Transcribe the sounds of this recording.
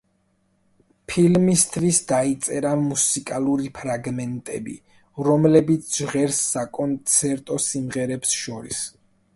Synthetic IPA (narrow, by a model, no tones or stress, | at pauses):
pʰilmist̪ʰvisd̪ait̪sʼɛɾamusikʼaluɾipʰɾaɡmɛnt̪ʼɛ̰bḭ | ɾɔmlɛbit̪sʰʒʁɛɾsːakʼɔnt̪sʰɛɾt̪ʼɔsimʁɛɾɛpsʃɔɾḭs